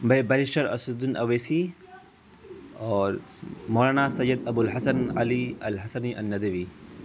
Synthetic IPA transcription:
bɐbɐɾisʈɐɾɐ̰sud̪unɐʋesi | ɔːɾmoːlaːnaːsɐjːɐd̪ɐbulɦɐsɐnɐ̰liɐlɦɐsɐniʔɐnːɐd̪ɐʋiː

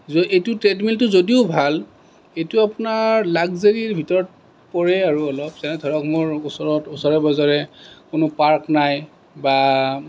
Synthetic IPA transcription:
zoejtʊtɹedmiltʊzodiʊbʱal | ejtʊapʊnaɹlaɡzeɹiɹbʱitɔɹɔt̚ | pɔɹɛaɹuɔlɔpsɛnɛdʱɔɹɔkmoɹʊsɔɹɔtʊsɔɹɛbɔzɔɹɛkʊnʊpaɹknaj | ba

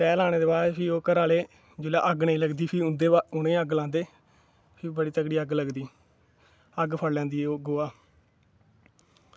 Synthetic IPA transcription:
pɛːlaːɽ̃eːd̪eːbaːɾpʰiːoːkəɾaːleː | d͡ʒʊːla̰ːʔəɡnẽĩːləɡd̪iːpʰɪʊnd̪eːʊnẽːəɡlãːnd̪eː | pʰɪːbəɽiːt̪əkɽiːəɡləɡd̪iː | əɡpʰəɽlɛ̃ːnd̪iːoːɡoːaː

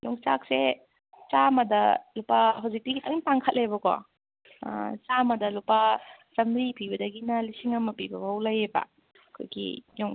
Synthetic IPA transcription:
jɔŋt͡ʃak̚se | t͡ʃamɐdɐ̰lupaɦawzik̚tiɡitʰɐŋmtaŋkʰɐt̚lebɐko̰ | t͡ʃamɐdɐlupasɐmɾipibɐdɐɡinɐlisiŋɐmɐpibɐbawlɐjebɐ̰ | kʰo̰jɡḭjoŋ

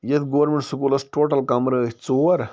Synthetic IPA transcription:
jɐt̪ɡoʋɐɾmeɳʈsukuːlɐsʈoːʈɐlkɐmɾət͡soɐɾ

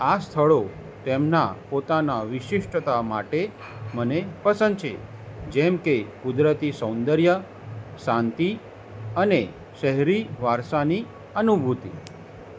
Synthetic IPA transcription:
ast̪ʰəɭo | t̪emnapot̪anaʋɪʃɪʃʈʰət̪ama̰ʈe | mənepəsə̃nd̪̚t͡ʃʰḛ | d͡ʒɛmkekud̪ɾət̪isə̃wnd̪əɾjə | sant̪i | əne | ʃəɦɾiʋaɾsani | ənubʱut̪ḭ

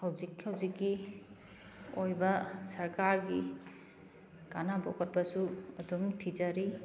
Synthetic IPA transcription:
hawzikhawzikːi | ojbasɐɾkaɾɡi | kanabɔkɔt̚basuɐduŋtʰizaɾi

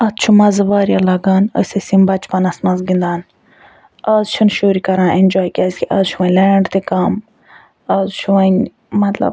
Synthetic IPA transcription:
ɐt̪̚t͡ʃʰumɐzɨʋaːɾijaːlɐɡaːnəsesimbɐt͡ʃpɐnɐsmɐzɡind̪aːn | aːzt͡ʃʰunʃuːɾikɐɾãːʔend͡ʒɔːjkiazʲkʲiʔazt͡ʃʰuʋɐnʲleːɳɖt̪ikam | azt͡ʃʰuʋɐn | mɐt̪lɐ̰b

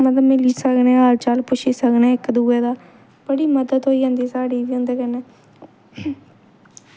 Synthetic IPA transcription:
məd̪əmɪliːsəknẽːɦaːɾt͡ʃaːlpʊʃiːsəknaːɪkd̪uːɛːd̪aː | b̥əɽiːməd̪əd̪ɦoːiːɦõːnd̪iːsaːɽiːd̪iõːnd̪eːkɛnɛː

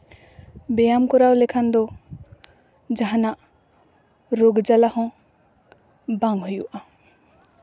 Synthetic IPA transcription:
bejamkɔɾawlekʰand̪ɔ | d͡ʒaɦana | ɾoɡd͡ʒalahɔ̃ | baŋhɔjuʔa

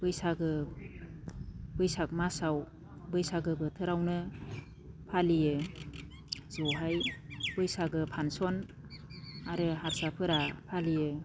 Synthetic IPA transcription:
bɯjsaɡɯ | bɯjsak̚masaw | bɯjsaɡɯbɯtʰɯɾawnɯ | pʰalijɯ | zɔɦajb̥ɯjsaɡɯpʰansɔn | aɾɯɦaɾsapʰɯɾapʰalijɯ

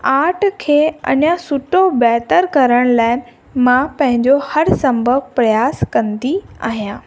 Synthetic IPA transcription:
aːʈʰkʰeːɐ̰nãsʊʈobɛːt̪əɾkɐɾəɽ̃laːɪnɪ̆ | mãpɐ̃ɦɪ̃ɲd͡ʑohɐɾsɐ̃mbʱəɡpɾɐjaːskɐ̃nd̪ia̰ːɦijãː

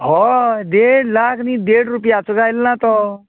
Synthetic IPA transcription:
ɦɔd̪eɽlakʰnid̪eɽɾupijat͡suɡajlnat̪ɔ

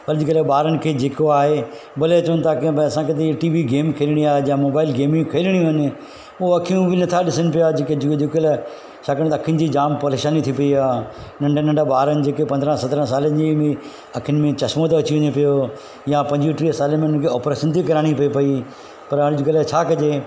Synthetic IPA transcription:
pɐɾd͡ʑɪkəlɛɓaːɾənɪ̆kʰeːd͡ʑeːkoaːɦe | bɐlet͡ɕɐʋənɪt̪akeɐsãket̪̬eʈiːʋiɡeːmkʰeːlɪɽ̃iaːɦejãmoːbaːɪlɡeːmũkʰeːlɪɽ̃iɦənɪ̆ | ʊɐkʰijũʋinɐt̪ʰaɗɪsənɪ̆pɪjad͡ʑeːked͡ʑɪkd͡ʑɪklɛ | t͡ʃʰaːkəɽ̃t̪ːɐkʰiənɪ̆d͡ʑid͡ʑaːmpɐɾeːʃaːnit̪ʰipɐiaːnɐ̃ɳɖnɐ̃ɳɖɓaːɾənɪ̆d͡ʑeːkepɐnd̪ɾə̃sɐt̪ɾə̃saːlənɪd͡ʑimẽ | ɐkʰiənɪ̆mẽt͡ɕɐsmot̪eɐt͡ɕiʋʊ̃ɲepɪjo | jãpɐ̃ɲd͡ʑiʈɾisaːləmẽʊnəkʰeɔːpɾeːʃənt̪ʰikɐɾaːɽ̃ipɐipɐi | pɐɾɦaːɽ̃ɪd͡ʑʊkəlat͡ɕʰaːkɐd͡ʑe

